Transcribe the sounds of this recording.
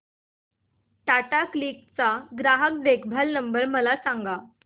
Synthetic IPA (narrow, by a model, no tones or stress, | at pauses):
ʈaʈakliːk̚t͡saɡɾaɦək̚d̪ekʰbʱalnəmbəɾməlasaŋɡa